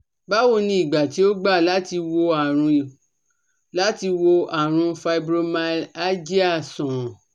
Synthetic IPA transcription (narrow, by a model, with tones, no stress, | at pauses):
ba˦wo˧˨nĩ˧˦i˨ɡ͡ba˨ti˨˦o˦ɡ͡ba˦˨la˨˦ti˧wo˧a˨ɾũ˧˨ | la˦ti˧wo˧a˨ɾ̃ũ˧fa˧i˦bɾo˧ma˧˦la˦d͡ʒi˦a˦˨sɔ̃˨